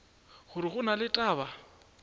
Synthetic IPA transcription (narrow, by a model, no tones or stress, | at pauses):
χʊɾɪχʊnalɪtʼaːba